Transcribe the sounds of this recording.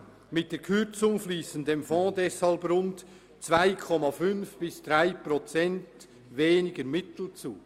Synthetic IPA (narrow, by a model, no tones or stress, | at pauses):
mɪt̚d̥eːɐkʰʏɾt͡sʊŋfliːsən̩deːmfɔ̃ːdɛshɑlbɾʊnt | t͡svaɪkʰɔmɑfʏnfb̥ɪsd̥ʁaɪpɾɔt͡sɛnt | veːnɪɡəɾmɪtl̩t͡suː